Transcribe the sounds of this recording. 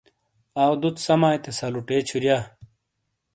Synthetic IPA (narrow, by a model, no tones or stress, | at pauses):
aːwd̪ut̪sɐmaːjt̪esɐluʈeːt͡ɕʰuɾjaː